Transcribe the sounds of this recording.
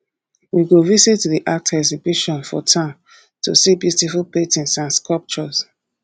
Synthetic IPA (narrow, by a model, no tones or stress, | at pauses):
wiɡovisitːuðiʔak̚tɛsibiʃɔ̃nfɔ̰tʰãm | tʰṵsibjutifulˠpetĩnsãnskɔlp̚t͡ʃɔs